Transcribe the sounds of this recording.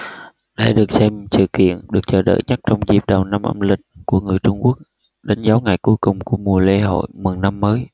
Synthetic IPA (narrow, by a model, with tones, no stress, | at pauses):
ɗa̰ː˧˨jɗɨ˨˩ək̚sɛ˧msɨ̰˧˨kḭ˧˨ənɗɨ˨˩ək̚t͡ɕəː˧˨˩ɗə̰ː˧˨jɲə˦˥t̚t͡ɕɔ˧wŋ͡mzi˨˩p̚ɗə˨˩wna˧mʔə̰˧mlï˨˩k̟̚ku˧˩əŋɨ˨˩əjt͡ɕʊ˧ŋ͡mku˦˥ək̚ | ɗe˨˦nzaː˨˦wŋa˨˩jku˨˦jkʊ˨˩ŋ͡mku˧˩əmu˨˩əle˧ɦo̰˧˨jmɨ˨˩ŋna˧mːəː˨˦j